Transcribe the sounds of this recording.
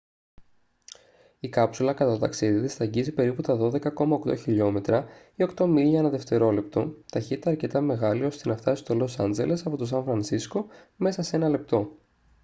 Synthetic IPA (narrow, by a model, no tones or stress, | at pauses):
ikɐpsulɐkɐt̪ɐt̪ot̪ɐksiðiðest̪ɐɟizipe̞ɾiput̪ɐðo̞ðe̞kɐko̞mɐokt̪o̞çiʎo̞me̞t̪ɾɐ | io̞kt̪o̞miʎɐenɐðe̞ft̪e̞ɾo̞le̞p̚t̪ot̪ɐçit̪it̪ɐːɾce̞t̪ɐme̞ɣɐlio̞st̪enɐft̪ɐsi̥st̪o̞lo̞sɐnd͡ze̞le̞sɐpo̞t̪os̬ɐnfɾɐnsisko̞ | me̞sɐsee̞nɐle̞p̚t̪o̞